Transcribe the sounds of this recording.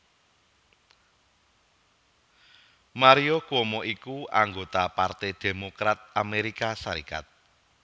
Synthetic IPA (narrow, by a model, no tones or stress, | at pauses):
maɾiokwɔmɔʔikuaŋɡot̪apart̪id̪̥e̤mokɾat̪̚ameɾikasaɾika̰t̪̚